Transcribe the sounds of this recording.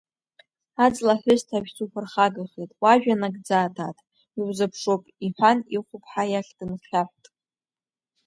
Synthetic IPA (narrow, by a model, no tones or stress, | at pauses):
ad͡zlaħʷʊztʰaʒᶣt͡sʰʼupʷʰarχaɡaχetʼwaʒᶣanaɡd͡zaːtʰatʼ | iwzapʰʂopʼiħʷaniχʷʊpʰʼħajaχʲd̥ɨnχʲaħʷtʼ